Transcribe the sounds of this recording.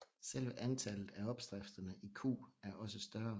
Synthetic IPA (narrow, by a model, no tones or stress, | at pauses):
sel̰ʋəʔænt͡sʰælð̩ˠæɒ̽b̥sd̥ʁafd̥ɐnəʔikʰṵːæɐʔɒ̽səsd̥ɶɐ